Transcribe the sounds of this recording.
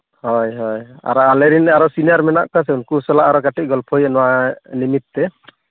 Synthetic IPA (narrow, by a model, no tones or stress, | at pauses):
hɔjɦɔja̰ɾɔaleɾinaɾɔsinijaɾmɛna̰ʔkasɛunkusɔlaʔaɾɔkaʈiɡɔlpʰɔjɛnɔwanimit̪ːɛ